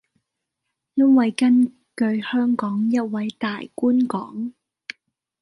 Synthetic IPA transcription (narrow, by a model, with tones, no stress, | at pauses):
jɐ˥nwɐ˨˧jkɐ˥n | kɵ˨˧ɥhœː˥ŋkɔː˨˥ŋjɐ˥t̚wɐ˨˥jt̪aː˨jkuː˥nkɔ̰ː˨˥ŋ